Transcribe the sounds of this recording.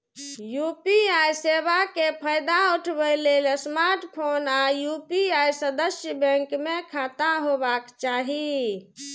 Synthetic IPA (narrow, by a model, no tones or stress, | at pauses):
jupiajsebakepʰəjd̪auʈʰbəlelsmaɾʈpʰonajupiajsəd̪əsjəbə̃ŋkmekʰat̪aɦobakt͡ʃaɦi